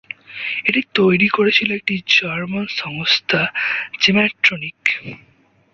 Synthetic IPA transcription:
eʈit̪ojɾikoɾet͡ɕʰiloek̚ʈid͡ʑaɾmanʃɔŋost̪ʰad͡ʑemɛʈɾonik

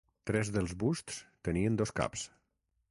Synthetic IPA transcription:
t̪ɾɛzðəlˠzβust̪st̪əniənd̪oska̰ps

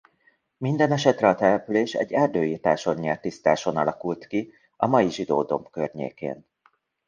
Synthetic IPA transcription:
mind̪ɛnɛʃɛt̪rɛɒt̪ɛlɛpyleːʃɛ̰ɟːɛrd̪øːjiːrt̪aːʃo̞ɲːɛrt̪ist̪a̰ːʃo̞nɒlɒkult̪ki | ɒmɒjiʒid̪o̰ːd̪o̞̰mpkørɲḛːkḛːn

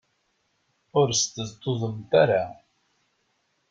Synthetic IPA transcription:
ʊɾst̪əzt̪ːʊðˤəmt̪aɾa

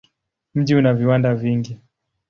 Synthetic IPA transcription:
m̩ʄiunaviwandaviŋɡi

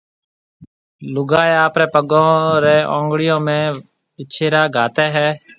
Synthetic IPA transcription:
lʊɡaːeːaːpɾɛːpəɡõːɾɛːʔõ̰ːŋɡɽɪjõːmẽː | ɪt͡ʃʰeːɾaːɡʱaːt̪ɛːɦɛː

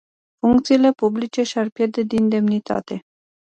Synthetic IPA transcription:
fuŋkt̪siːle̞publit͡ʃe̞ʃiarpʲje̞rd̪e̞d̪ind̪e̞mnit̪a̰t̪e̞

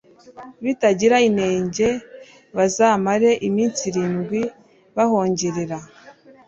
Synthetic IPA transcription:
βitaɟiɾaine̞ːɲɟe̞ | βazaːmaɾe̞ʔimiːnt͡siɾiːnɡwi | βahoːɲɟeɾeɾa

